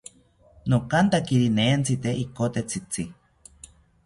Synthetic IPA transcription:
nokant̪akiɾineːnt͡sit̪eʔikot̪et͡sʰit͡si

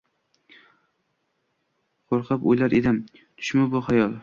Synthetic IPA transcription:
qʰoɾqʰɑpojlaɾed̪ɪm | t̪ʰʊ̥ʃmabʊχajɒlˠ

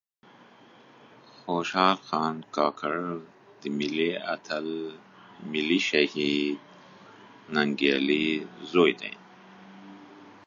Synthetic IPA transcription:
xoːʃɑːlxɑːnkɑːkʰaɻ | d̪əmilia̰t̪ʰal | miliʃahid̪ | naŋɡelizojd̪a̰jn

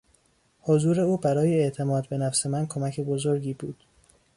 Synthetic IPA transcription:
hozuːɾe̞uːbæɾɒːjeeʔt̪ʰe̞mɒːd̪be̞næfse̞mænkʰo̞mæcʰe̞bozoɾɟiːbuːd̪̥

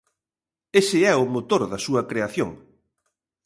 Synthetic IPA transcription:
esɪɛʊmot̪oɾðɐsuɐkɾeaθjoŋ

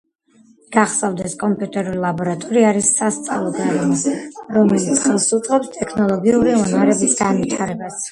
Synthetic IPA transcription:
ɡ̥aχsavd̪ɛskʼɔmpʼjut̪ʼɛɾulilˠabɔɾat̪ʼɔɾiaɾisːast̪sʼa̰lˠɔd̪alɔɾɔmɛlit̪sʰχɛlˠsut̪sʼʁʼɛpst̪ʼɛkʰnɔlˠɔɡiuɾiɔnaɾɛbisɡ̥anvit̪ʰaɾɛbas

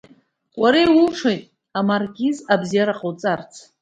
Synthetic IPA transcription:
qʷʼaɾejuʂʰajtʼ | amarɡʲizabzijaɾaqʼowt͡sʼart͡sʰ

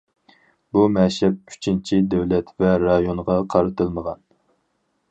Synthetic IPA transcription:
bumɛʃɛp̚y̥t͡ʃʰint͡ʃʰid̪ɛwlɛt̪vɛɾɑjonʁɑqʰɑɾɨt̪ʰɨlˠməʁɑn

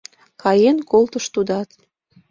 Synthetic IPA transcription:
kɑjenkolt̪əʃt̪ud̪ɑt̪

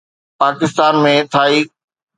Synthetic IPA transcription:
paːkɪst̪aːnmẽt̪ʰaːiː

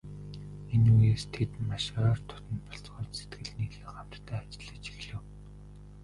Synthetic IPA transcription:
enujeːst̪ʰet̪maʃœːrt̪ʰʊ̥t̪ə̆nt̪pɔ̥ɬt͡sɢɔːt̪set̪ɡɘ̆ɮniːɮeːɢam̥t̪t̪ʰːæːat͡ɕɪ̆ɮə̆t͡ɕi̥xɮɘ̆w

